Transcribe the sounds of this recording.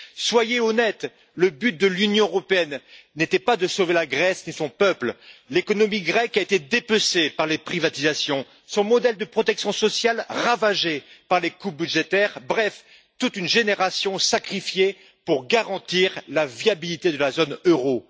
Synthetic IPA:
swajeɔnɛt̪ | ləbyt̪̚d̪əlynjɔ̃øʁɔpeɛnːet̪ɛpad̪əsovelaɡʁɛsnisɔ̃pœpllekɔnɔmiɡʁɛkaet̪ed̪epøsepaʁlepχivat̪izasjɔ̃ | sɔ̃mɔd̪ɛld̪əpχɔt̪ɛksjɔ̃sɔsjalʁavaʒepaʁlekubyd̪ʒet̪ɛʁbʁɛf | t̪ut̪ynʒeneʁasjɔ̃sakχifje | puʁɡaʁɑ̃t̪iʁlavjabilit̪ed̪əlazonøʁo

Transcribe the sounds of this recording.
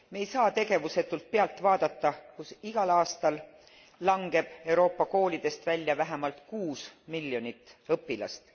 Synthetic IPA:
mejsɑːt̪e̞ɡe̞vuse̞t̪ːˑult̪̚peɑlt̪vɑːd̪ɑt̪ːɑkusiɡ̥ɑlɑːst̪ɑlː | ɑŋɡe̞b̥e̞wɾo̞ːpːɑko̞ːlid̪̥e̞st̪vælʲːjɑvæɦemɑlt̪kuːsmilʲjo̞nit̪ːˑɤpːˑilɑ̰st̪

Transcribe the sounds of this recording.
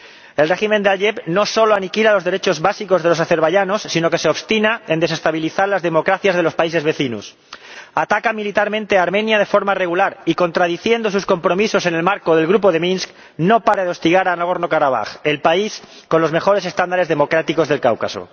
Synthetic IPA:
e̞lre̞ximẽ̞nd̪ealʎepno̞so̞loanikilalo̞zðe̞ɾe̞t͡ʃo̞zβasiko̞zð̞e̞lo̞saθe̞ɾβ̞aʝano̞sːino̞ke̞se̞oβst̪inae̞nd̪e̞se̞st̪aβ̞iliθaɾlazðemo̞kɾaθjazð̞e̞lo̞spais̬e̞zβe̞θinṵs | at̪akamilit̪aɾmẽ̞nt̪e̞aːɾmẽnjað̞e̞fo̞ɾmare̞ɣ̞ulaɾiko̞nt̪ɾaðiθje̞nd̪os̬usko̞mpɾo̞miso̞se̞nelmaɾkoðe̞lɣɾupo̞ðe̞mĩnsk | no̞paɾeðo̞st̪iɣaɾanaɣo̞ɾno̞kaɾaβ̞a̰xe̞lpais | ko̞nlo̞zme̞xo̞ɾese̞st̪and̪aɾe̞zðe̞mo̞kɾat̪iko̞zðe̞lkawka̰so̰

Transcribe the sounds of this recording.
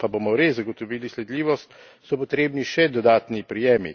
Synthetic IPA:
pabomɔɾezːaɡot̪ɔʋiːlislɛd̪liːʋɔst̪ | sɔpɔt̪ɾeːbniʃɛd̪ɔd̪aːt̪nipɾijeːmḭ

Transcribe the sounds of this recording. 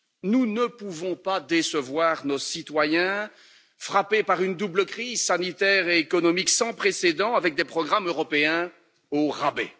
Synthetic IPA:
nunəpuvɔ̃pad̪esəvwaʁnosit̪wajɛ̃ | fχapepaʁynd̪ubləkχizsanit̪ɛʁeːkɔnɔmiksɑ̃pχesed̪ɑ̃avɛk̚d̪epχɔɡʁamøʁɔpeɛ̃ | oʁabḛ

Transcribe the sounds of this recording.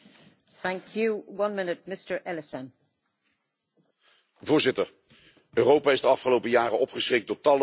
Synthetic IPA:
θæ̃ŋkʰjuwʌ̃nmɪnɪt̚mɪstə˞ʔɛlɪsə̃n | vʊːɹzɪtəɹ | ʔøːrowpaːɪzdəɑfχəlowpəjaːrəʔɔpχəsχɪk̚dɔːɹtɑlə

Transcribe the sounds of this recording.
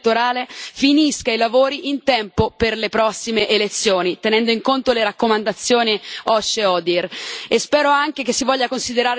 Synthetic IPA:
t̪ːoɾaːlefiniskailavoːɾiʔint̪ɛmpoperlepɾɔsːimeʔelet̪sːjoːnit̪enɛnd̪oiŋkont̪oleɾakːomand̪at̪sːjoːniɔʃːeɔːd̪irespɛːɾoaŋkek̟esːivɔʎːakonsid̪eɾaːɾe

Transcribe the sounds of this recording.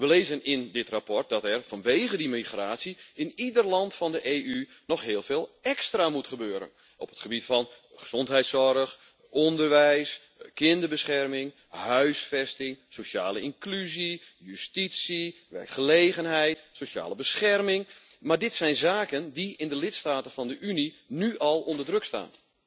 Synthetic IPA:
ʋəleːzənɪndɪtrapɔrt̚dɑtɛrfɑnʋejɣədimiχraːsiɪnidərlɑntfɑndəʔeːy | nɔxɦɪːlˠveːlˠɛkstramutχəbøːɾə̰n | ɔ̰pətχəbitfɔn | χə̥z̥ɔntɦɛjtsɔrəx | ɔndərʋɛjs | kɪndəbəsχɛrmɪŋ | hœɥsfɛstɪŋsoʃa̰ːləiŋklyzijystitsi | ʋɛ̰rkχəleːɣənɦɛjtsoʃa̰ːləbəsχɛrmɪŋ | maɹdɪtsɛjnzaːkəndiɪndəlɪtstaːtənfɑndəʔyni | nyʔɑlˠondərdrøksta̰ːn

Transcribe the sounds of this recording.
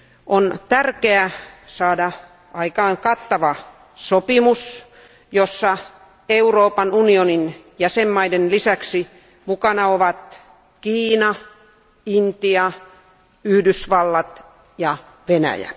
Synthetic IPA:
ʔont̪ærkeæsɑːdɑ | ɑikɑːŋkɑt̪ːɑʋɑ | sopimus | josːɑ | euroːpɑnunionin | jæsemːɑidenlisæksi | mukɑnɑoʋɑt̪ | kiːnɑ | int̪iɑ | yhdysʋɑlːɑt̪ | jɑ | ʋenæ̰jæ̰

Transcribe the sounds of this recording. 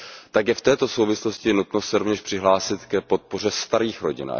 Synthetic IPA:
t̪akjɛft̪ɛːt̪o̞so̞wvɪslo̞scɪnut̪nosɛɾovɲɛʃpr̥ɪɦlaːsɪt̪kɛpo̞t̪̚po̞r̝ɛst̪aɾiːxɾoɟɪ̰na̰

